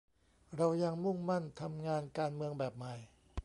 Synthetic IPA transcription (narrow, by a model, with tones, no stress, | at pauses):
ɾa˧wja˧ŋmu˥˩ŋma˥˩nt̪ʰa˧mŋaː˧nkaː˧nmɯ˧əŋbɛː˨˩p̚ma˨˩j